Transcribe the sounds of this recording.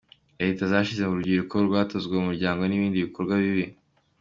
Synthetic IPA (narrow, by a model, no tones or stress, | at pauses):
eitazaːʃize̞muɾɟiɾukoɾɡwaːtozɡweumuɾɟaːŋɡo̞niβiːndiβiko̞ɾɡwaβiβi